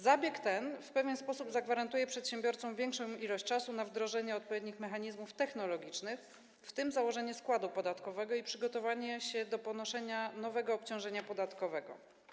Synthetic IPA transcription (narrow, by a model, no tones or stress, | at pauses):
zabʲjɛkt̪ɛnfpɛvʲjɛnspɔsubzaɡvaɾant̪ujɛpʂɛt̪ɕɛmbʲjɔɾt̪sɔ̃w̃vʲjɛŋkʂɔ̃w̃ilɔɕt͡ɕt͡ʂasunavd̪ɾɔʐɛɲɛɔt̪pɔvʲjed̪ɲixmɛxaɲizmuft̪ɛxnɔlɔɡʲit͡ʂnɘx | ft̪ɘmzawɔʐɛɲɛskwad̪upɔd̪at̪kɔvɛɡɔipʂɘɡɔt̪ɔvaɲɛɕɛd̪ɔpɔnɔʂɛɲanɔvɛɡɔːpt͡ɕɔ̃w̃ʐɛɲapɔd̪at̪kɔvɛɡɔ̰